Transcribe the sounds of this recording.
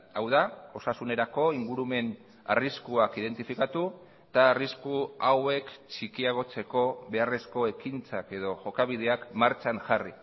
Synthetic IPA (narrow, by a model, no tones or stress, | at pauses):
awðao̞sasune̞ɾako̞iŋɡuɾume̞n | a̰riskuakiðe̞nt̪ifikat̪u | t̪aːriskuawe̞kt͡ʃikiaɣ̞o̞t͡se̞ko̞βe̞are̞sko̞e̞kint͡sake̞ðo̞ʝo̞kaβ̞iðe̞akmaɾt͡ʃaŋʝari